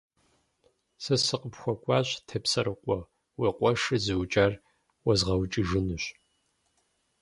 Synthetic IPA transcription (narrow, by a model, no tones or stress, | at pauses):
sɐsɨqʼəpxʷɔkʷʼɑːɕtʰepsɐɾɨqʷʼɔ | weqʷʼɔʂɨzɨwt͡ʃʼaːr | wɐzʁɐwt͡ʃʼiʒɨnɨɕ